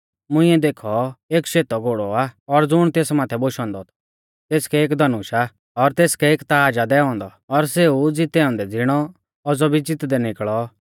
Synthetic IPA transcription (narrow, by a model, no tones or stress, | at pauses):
mʊ̃ɪ̃ːɛd̪eːkʰɔeːkʃeːt̪ɔɡoːɽɔaɔɾd͡zʊɽ̃t̪eːsmaːt̪ʰɛboʃɔ̃ːnd̪ɔt̪ʰ | t̪eːskɛeːk̬d̪ɐnuːʃa | ɔɾt̪eːskɛeːkt̪aaːd͡ʒad̪ɛːɔ̃ːnd̪ɔ | ɔɾseud͡zɪt̪ɛɔ̃ːnd̪ɛd͡zɪɽ̃ɔ | ɔd͡zɔbid͡zɪt̪d̪ɛnɪkɭɔ